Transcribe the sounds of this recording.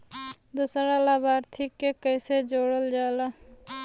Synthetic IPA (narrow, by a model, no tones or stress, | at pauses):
d̪usɾalabaːɾt̪ʰikːekəɪsed͡ʒoːɽəld͡ʒaːla